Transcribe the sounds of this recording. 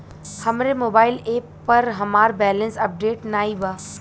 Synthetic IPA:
hɐmɾemoːbaːɪleːpːɐɾɦɐmaːɾbɛːlə̃nsɐp̚ɖeːʈnaːibaː

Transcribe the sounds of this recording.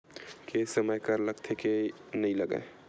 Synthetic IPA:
kesəməjkəɾləɡt̪ʰeke | nəĩləɡə̰e

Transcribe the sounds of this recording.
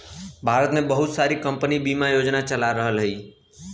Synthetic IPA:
bʱaɾət̪mebəɦʊt̪saɾikəmpənibimajod͡ʒnat͡ʃəlaɾəɦəlɦəi

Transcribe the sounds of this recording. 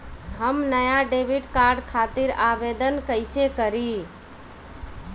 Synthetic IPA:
həmnəjaɖebiɖkaɾɖkʰat̪iɾabed̪ənkəɪsekəɾi

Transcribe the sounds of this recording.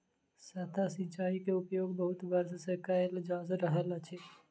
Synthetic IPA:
sɐt̪ʰasĩt͡ʃaːikeʊpjoːɡbəɦʊt̪bəɾssekaɪld͡ʒaːzɾəɦəlat͡ʃʰeː

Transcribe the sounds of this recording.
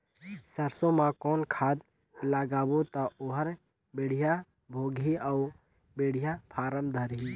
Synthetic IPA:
səɾsõmãkɔːnkʰaːd̪ | laːɡaːbot̪aoɦəɾ | beɽ̤ɪja | bʱoːɡʱiau | beɽ̤ɪjapʰaːɾəmd̪ʱəɾɦiː

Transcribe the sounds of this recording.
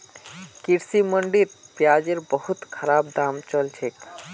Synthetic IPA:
kiɾsiməɳɖiɾpjad͡ʒeɾbəhut̪kʰəɾaːbd̪amt͡ʃəlt͡ʃʰek

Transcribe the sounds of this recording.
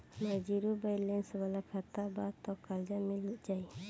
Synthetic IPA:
mad͡ʒiɾubajlɛnsbalakʰat̪abat̪ɔkald͡ʒamiluʔ̚d͡ʒaj

